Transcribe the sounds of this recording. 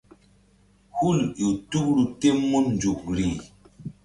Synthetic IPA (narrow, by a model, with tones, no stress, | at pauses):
hu˦˨lju˨tu˦k̚ɾu˨te˦mːu˦n˨d͡ʒu˨k̚ɾi˨